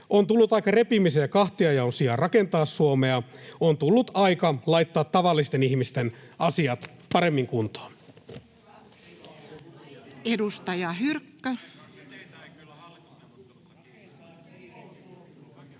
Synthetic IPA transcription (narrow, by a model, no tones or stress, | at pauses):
ʔont̪ulːut̪ɑjkːɑre̞pimisejɑkɑht̪iɑjɑonsiɑrɑke̞nt̪ɑːsːuomeɑont̪ulːut̪ɑjkɑlɑjt̪ːɑːt̪ːɑʋɑlːist̪e̞nihmist̪enɑsiɑt̪pɑɾe̞mːiŋkunt̪o̥ː | edust̪ɑjɑɦyrkːæ